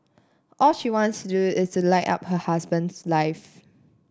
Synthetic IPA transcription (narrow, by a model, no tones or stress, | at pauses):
ʔɔlʃiwɔ̃ntstuduɪstulaɪʔa̰phəhasbə̃nslaɪf